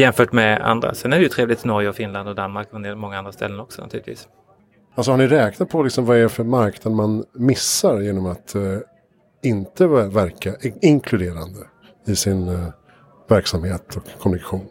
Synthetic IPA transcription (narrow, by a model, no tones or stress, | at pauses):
jɛmfœːʈmɛa̰nd̪ɾa̰sɛnæɖɛjʉt̪ʰɾeːvlɪɡt̪ʰɪnɔɾjəɔfɪnland̪ɔd̪anmaɾkfɔnd̪eːmɔŋːaand̪ɾast̪ɛ̰lːənɔksɔna̰t̪ʉ̰ːlɪt̪viːs | alsɔhaɳɪɾɛːknat̪̚pʰɔlɪksɔmvaɛɾɛfœɾmaɾknad̪manmɪsːaɾjeːnɔmat̪ | ɪnt̪əvæɾkaʔɪɪŋkʰlɵd̪eːɾand̪ə | ɪsɪn | væɾksamheːt̪ʰɔkʰːɔmɵnɪkḁɧuːn